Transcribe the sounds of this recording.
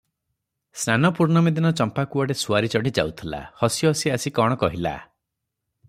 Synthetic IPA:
snanɔpuɾnɔmid̪inɔt͡ʃɔmpakuɔɽesuaɾit͡ʃɔɽid͡ʒa̰wt̪ʰila̰hɔsjɔɦɔsiasikɔɽ̃ɔkɔɦila̰

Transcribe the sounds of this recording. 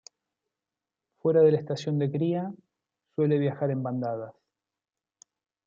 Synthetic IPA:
fwe̞ɾað̞e̞laest̪asjo̞nd̪e̞kɾia | swe̞le̞βjaxaɾe̞mband̪aðas

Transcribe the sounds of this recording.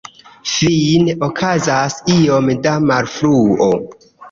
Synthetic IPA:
finokʰazasio̞mdamaɾfɾuo̰

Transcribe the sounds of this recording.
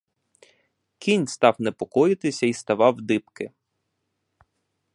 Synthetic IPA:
kʲinʲst̪ɑwnepɔkɔjɪt̪ɪsʲɐist̪ɐʋɑwd̪ɪpkɪ

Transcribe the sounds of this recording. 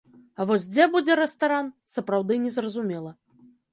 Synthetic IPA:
ɐvɔzʲd͡zʲɛbud͡zʲɛɾɛst̪aɾansɐpɾawd̪ɨnʲɛzrɐzumʲɛlˠɐ

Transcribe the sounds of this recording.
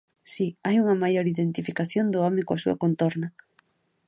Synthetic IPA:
siajuŋɐmajoɾiðent̪ifikaθjond̪ʊɔmẽkoasuɐ̰kont̪ɔɾnɐ

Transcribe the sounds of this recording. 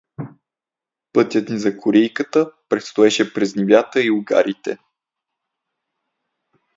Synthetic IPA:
pɤt̪ʲjət̪nizɐkʰoɾɛjkət̪əpɾɛt̪st̪oɛʃɛpɾɛznɛvʲjat̪əiʊɡa̰ɾit̪ɛ̰

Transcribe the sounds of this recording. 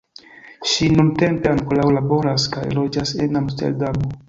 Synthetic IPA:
ʃinunte̞mpe̞aŋkolawlabo̞ɾaskajlo̞d͡ʒase̞̰namstḛldamo

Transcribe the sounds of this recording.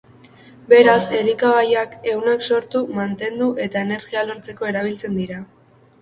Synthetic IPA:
be̞ɾase̞likaβajake̞wnakso̞ɾt̪umant̪e̞nd̪uʔe̞t̪ae̞ne̞ɾɣialo̞ɾt͡se̞ko̞e̞ɾaβ̞ilt͡se̞nd̪iɾa

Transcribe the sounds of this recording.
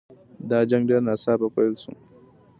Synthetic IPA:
daːd͡ʒɐŋdɐnasaːbakʷalsṵ

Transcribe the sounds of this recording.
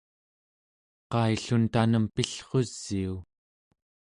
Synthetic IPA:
qɑiɬunt̪anəmpiɬχo̞z̥ːiu

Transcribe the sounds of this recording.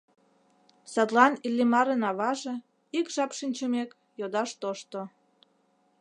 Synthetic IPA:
sɑt̪lɑnilːimɑɾənɑβɑʒĕ | ikʒɑpʃinʲt͡ɕəmek | jod̪ɑʃt̪oʃt̪o

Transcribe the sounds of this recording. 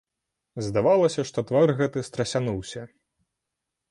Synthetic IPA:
zd̪avalˠɐsʲɐʂt̪ɔt̪varɣɛt̪ɨst̪ɾɐsʲanuwsʲɐ

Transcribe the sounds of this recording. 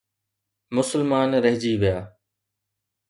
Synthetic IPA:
mʊsəlmaːnɾəɦd͡ʒiːʋɪjaː

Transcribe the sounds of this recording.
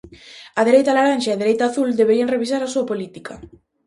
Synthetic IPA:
aðeɾejt̪alaɾanʃaeðeɾejt̪aːθuld̪eβeɾiaŋreβ̞isaɾasuapolit̪ika

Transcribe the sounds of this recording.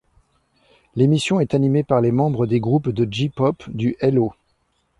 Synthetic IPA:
lemisjɔ̃ɛt̪animepaʁlemɑ̃bʁəd̪eɡʁupd̪əd͡ʒipɔpd̪yʔɛlo

